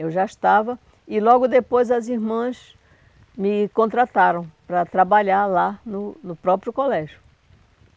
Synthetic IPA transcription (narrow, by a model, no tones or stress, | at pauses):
ewʒaiʃt̪avɐ | ɪlɔɡʊd̪epojzɐziɾmɐ̃s | mɪkõnt̪ɾat̪aɾɐ̃w̃pɾɐt̪ɾabaʎaɾlanʊnʊpɾɔpɾjʊkolɛʒjʊ